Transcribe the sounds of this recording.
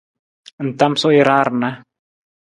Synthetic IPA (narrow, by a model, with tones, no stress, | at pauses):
n̩˨ta˦msɔ˦i˨ɾa˦ɾna˦